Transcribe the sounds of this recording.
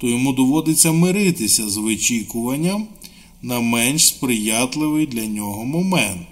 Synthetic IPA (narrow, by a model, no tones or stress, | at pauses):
t̪ɔjɔmud̪ɔʋɔd̪ɪt͡sʲːɐmɪɾɪt̪ɪsʲɐzʋɪt͡ʃʲikʊʋɐnʲːɐm | nɐmɛnʃspɾɪjat̪lˠɪʋɪjd̪lʲɐnʲɔɦɔmɔmɛnt̪